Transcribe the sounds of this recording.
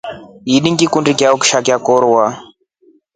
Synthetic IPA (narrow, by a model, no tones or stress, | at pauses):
iɗiŋɡikundikjaɔki̥ʃakjakɔɾwa